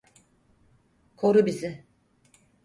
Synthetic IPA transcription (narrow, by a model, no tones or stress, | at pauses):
kʰoɾubizɪ